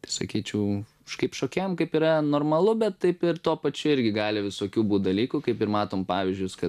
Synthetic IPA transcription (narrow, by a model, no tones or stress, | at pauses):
t̪ɐɪsɐ̰kʲiːt͡ʃʲɛʊ | ʃkɐɪpʃoːkʲɛːjmkɐɪpiːɾɐnoːrmɐlˠʊbʲɛt̪t̪ɐɪpɪɾt̪oːpɐt͡ʃʲʊɪɾʲɡʲɪɡɑːlʲɪʋʲɪsoːkʲuːbuːt̪̚d̪ɐlʲiːkʊkɐɪpɪɾmɑːt̪oːmpɑːʋʲɪzʲd͡ʒʲʊjskɐ